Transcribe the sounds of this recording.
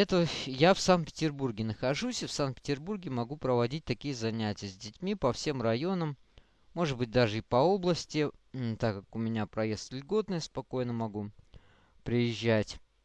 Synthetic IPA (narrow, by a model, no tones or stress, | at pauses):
ɛt̪əvəjafsanpʲɪ̥tʲɪrburɡʲɪnəxɐʐusʲɪfsant̪̚pʲɪ̥tʲɪrburɡʲɪmɐɡupɾəvɐdʲit̚ʲt̪ɐkʲijəzɐnʲætʲɪjəzʲdʲɪtʲmʲipɐfsʲe̞mrɐjo̞nəmː | o̞ʐɨd̪̚bɨt̚ʲd̪aʐɨɪpɐo̞blˠəsʲtʲɪt̪akːakʊmʲɪnʲapɾɐjest̪lʲɡo̞t̪nəjəspɐko̞jnəmɐɡu | pɾʲɪjɪʑːætʲ